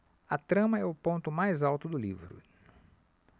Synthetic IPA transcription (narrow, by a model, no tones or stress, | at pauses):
ɐt̪ɾɐ̃mɐɛʊpõnt̪ʊmajzawt̪ʊd̪ʊlivɾʊ̰